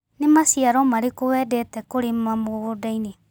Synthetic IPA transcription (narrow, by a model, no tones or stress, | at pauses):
nemasiaɾɔmaɾekowɛːdɛtɛkoɾemamoɣodaine